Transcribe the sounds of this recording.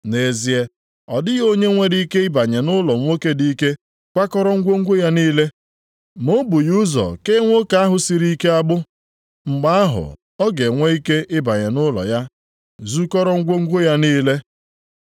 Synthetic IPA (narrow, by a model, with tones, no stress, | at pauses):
ne˨zi˨e˨ | ɔ˨dɪ˦ɣo˦ɲe˦ŋʷe˦ɾi˦i˦ke˦ɪ˦ba˨ɲe˨nʊ˦lɔ˨ŋʷ˦o˦ke˦di˦ke˦ | kʷa˦kɔ˦ɾɔ˦ŋ̩˦ɡʷo˦ŋ̩˦ɡʷo˦ja˦niː˦le˦ | mo˦bu˨ju˦zɔ̰˨ke˦ŋʷo˦ka˨˦a˦ɦʊ˨si˨ɾi˦ke˦a˦ɡ͡bʊ˦ | ŋ͡m̩˨ɡ͡ba˦a˦ɦʊ̰˨ | ɔ˦ɡe˨ŋʷe˦i˦ke˦ɪ˦ba˨ɲe˨nʊ˦lɔ̰˨ja˦ | zu˦kɔ˦ɾɔ˦ŋ̩˦ɡʷo˦ŋ̩˦ɡʷo˦ja˦niː˦le˦